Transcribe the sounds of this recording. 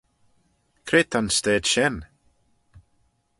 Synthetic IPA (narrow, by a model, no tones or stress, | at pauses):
kʰɾeːt̪ʰanst̪ɛːd̪̥ʃɛn